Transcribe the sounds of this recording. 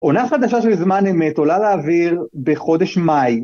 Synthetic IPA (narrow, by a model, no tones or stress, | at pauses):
ʔo̞naχad̪aʃaʃelzmaneme̞t̪o̞laleːviʁbeχo̞d̪e̞ʃmaj